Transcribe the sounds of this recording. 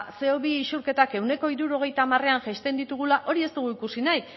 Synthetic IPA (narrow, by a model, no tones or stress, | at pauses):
se̞oβiːʃuɾke̞t̪ake̞wne̞ko̞iɾuɾo̞ɣ̞e̞jt̪aːmare̞anʝeʃt̪e̞nd̪it̪uɣ̞ulaʔo̞ɾie̞st̪uɣ̞uikusinaj